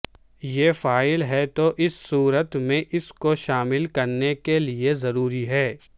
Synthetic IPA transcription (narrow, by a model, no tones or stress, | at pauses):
jeːfaːɪlɦɛt̪oʔɪsːuːɾət̪mẽʔɪskoʃaːmɪlkɐɾnekeliezɐɾuːɾiɦɛː